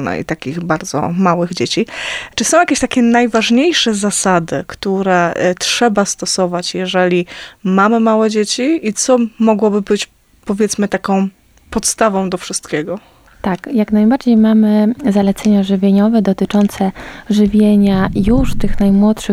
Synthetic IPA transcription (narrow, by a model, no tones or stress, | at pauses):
nɛ̰ḭt̪akʲiɣbaɾd̪zɔ̰mawɘɣd͡ʑet͡ɕit͡ʂɘsɔ̃w̃jakʲeɕt̪akʲɛnajvaʐɲejʂɛzasad̪ɘkt̪uɾɛtʂɛbast̪ɔsɔvat͡ɕjɛʐɛlʲimamɘmawɛd͡ʑet͡ɕiit̪sɔmɔɡwɔbɘbɘt͡ɕ | pɔvʲjɛt̪smɘt̪akɔ̃w̃ | pɔt̪st̪avɔ̃w̃d̪ɔfʂɘst̪kʲeɡɔ | t̪akjaknajbaɾd͡ʑejmamɘzalɛt̪sɛɲaʐɘvʲjeɲɔvɛd̪ɔt̪ɘt͡ʂɔnt̪sɛʐɘvʲjeɲajuʂt̪ɘxnajmwɔtʂɘ